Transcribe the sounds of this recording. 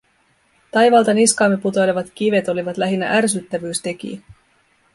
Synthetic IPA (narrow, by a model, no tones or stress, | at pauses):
t̪ɑjʋɑːlt̪ɑniskɑːmːeput̪o̞jleʋɑt̪k̟iʋe̞t̪o̞liʋɑt̪læɦinːæ̰ʔærs̬yt̪ːæʋyːst̪e̞k̟ḭ